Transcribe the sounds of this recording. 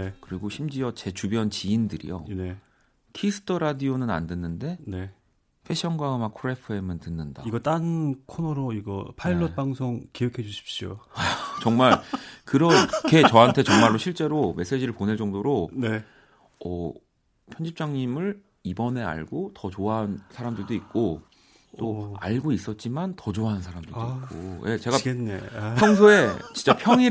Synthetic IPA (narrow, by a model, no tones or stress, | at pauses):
ekɯɾiɡoɕʰimd͡ʑiʌt͡ɕe̞t͡ɕubjʌnt͡ɕiːndɯɾḭjo̰ne | kʰisʰɯ̥tʰʌɾadionɯna̰ndwenːɯnde̞ne | pʰe̞ɕ͈ʰʌnɡwaɯmakʰuɾepʰɯemɯntɯnːɯnda̰iɡʌt͈anɯnkʰonʌɾoiɡʌ̰pʰaiɭːʌt̚paŋsʰoŋkejʌkʰe̞d͡ʑuɕʰi̥p̚ɕ͈io̰at͡ɕʌŋmaɭkɯɾʌkʰe̞t͡ɕʌɦantʰe̞t͡ɕʌŋmaɭːoɕʰiɭt͡ɕ͈e̞ɾome̞s͈e̞d͡ʑiɾɯɭponeɭt͡ɕ͈ʌŋdoɾone | ʌ̰ | pʰjʌnd͡ʑip̚t͡ɕ͈aŋɲimɯɭ | ibʌne̞a̰ɭɡotʌt͡ɕoaɦansʰaɾamdɯɭdoik̚k͈o | t͈oa̰ɭɡois͈ʌt̚t͡ɕ͈imantʌd͡ʑoaɦnsʰaɾamdɯɭdoik͈o̰je̞̰t͡ɕe̞ɡaenːḛpʰjʌŋsʰoe̞t͡ɕint͡ɕ͈apʰjʌŋi